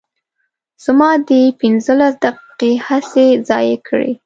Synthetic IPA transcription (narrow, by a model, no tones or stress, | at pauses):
z̥mɑd̪epɪnzəlasd̪aqi̥qehasezɑ̰jekʰəɽḛ